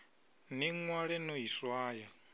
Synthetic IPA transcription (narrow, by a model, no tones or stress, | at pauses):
niŋwaɺɛnoɦiswaːja